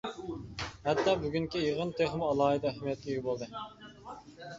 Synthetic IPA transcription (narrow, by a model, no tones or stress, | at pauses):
hɛt̪ːɑːbyɡʲyŋkʲijəʁənt̪ʰeχmuɑlˠɑːɦɨd̪ɑæhmijɛt̪lʲɪɡʲɪbolˠd̪ɨ